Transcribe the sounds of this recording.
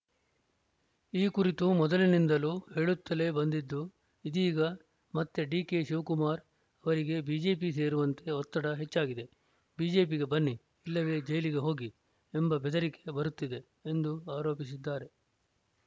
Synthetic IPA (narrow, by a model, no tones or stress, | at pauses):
iːkuɾit̪umɔd̪ɐlinind̪ɐluːhe̞ːɭut̪ːɐle̞bɐnd̪id̪ːu | id̪iːɡɐ | mɐt̪ːeɖiːke̞ʃuʋkumaːɾ | ɐʋɐɾiɡe̞biːd͡ʒe̞ːp̬ise̞ːɾuʋɐnt̪e̞ɔt̪ːɐɽɐɦe̞t͡ʃːaːɡid̪e̞ | biːd͡ʒe̞ːpiɡe̞bɐnːiː | lːɐʋe̞ːd͡ʒɐjɐliɡe̞ɦo̞ːɡi | embɐbɛd̪ɐɾike̞bɐɾut̪ːid̪e̞ | end̪uaːɾo̞ːpisid̪ːaːɾe̞